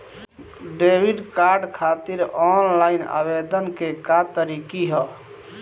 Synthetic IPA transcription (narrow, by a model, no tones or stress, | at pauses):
ɖebiɖkaɾɖkʰat̪iɾɔnlaina̰bed̪ənkekat̪əɾikiɦɔ